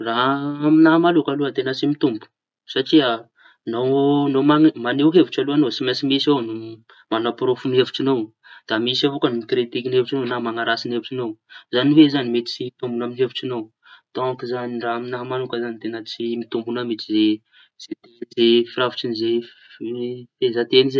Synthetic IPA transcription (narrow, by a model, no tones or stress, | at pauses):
raɦaminaɦamalukaluət̪enət͡simit̪umbu̥ | saʈ͡ʂia | nownomamaneɦeviʈ͡ʂaluanosimasimisownu | manapɾofuniɦevuʈ͡ʂinow | d̪̥amisavokanumit̪ɾet̪ikinevuʈ͡ʂinownamaŋaɾasinevuʈ͡ʂinowzanivezanimet̪i̥t͡siit̪umbunaminɦeviʈ͡ʂinow | t̪okizaniɖ͡ʐaaminaɦamanukəzanit̪enət͡simit̪umbunamit͡size | z̥et̪ezefiravut͡ʃinize | fezat̪enize